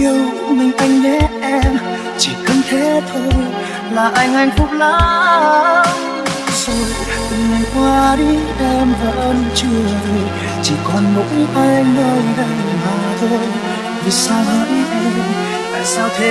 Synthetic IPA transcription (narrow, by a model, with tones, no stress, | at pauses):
i˧əw | mï˨˩ŋ̟ʔa˧jŋ̟ɲɛ˧˦˥ʔɛ˧m | t͡ɕi˧˩kə˧˦nt̪ʰe˨˦˥t̪ʰo˧j | laː˨˩ʔa˧jŋ̟ʔa˧jŋ̟fʊ˦˥k͡p̚laː˨˦˥ | sɔ˧ | k̪ɨ˧˩ŋma˨˩ŋ̟kwaː˧ɗi˧ʔɛ˧mvaː˨˩ʔəː˧nt͡ɕu˧˩za˧˩j | t͡ɕḭ˧˩kɔ˨˩nmʊ˨˦k̚va˧jŋnəː˧˩jɗə˧˩j | maː˨˩t̪ʰo˧j | vi˨˩saː˧waː˧˩ɗi˧˦ʔə˧ | t̪a̰ː˧˨jsaː˧wt̪ʰe˧˦